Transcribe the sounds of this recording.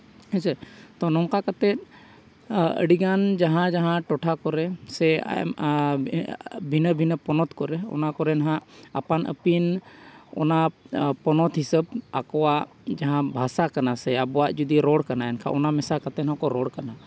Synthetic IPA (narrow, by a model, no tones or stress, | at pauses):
ɛ̃t͡ʃɛt̪ɔnɔ̃ŋkakat̪ɛt̪̚ | ə̰ɽiɡand͡ʒaɦãd͡ʒaɦãʈɔʈʰakɔɾɛsɛ̰ | bʱinəbʱinəpɔnɔt̪kɔɾɛɔ̰nakɔɾɛnaɦãʔa̰panʔə̰pinɔ̰napɔnɔt̪ɦisəbakɔwaʔ | d͡ʒaɦãbʱasakanasɛabɔwaʔd͡ʒud̪iɾɔɽkanaɛnkʰa̰ʔɔnamɛsakat̪ɛnɦɔ̃kɔɾɔɽkana